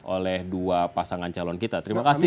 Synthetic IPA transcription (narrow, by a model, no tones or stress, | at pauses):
ʔolɛhduapasaŋant͡ʃalɔnkit̪at̪əɾimakasɪ